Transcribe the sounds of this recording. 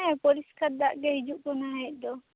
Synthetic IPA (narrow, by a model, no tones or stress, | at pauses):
ɛpɔɾiskaɾd̪aʔɡɛɦid͡ʒuʔkɔnaɦɛc̚ˀd̪ɔ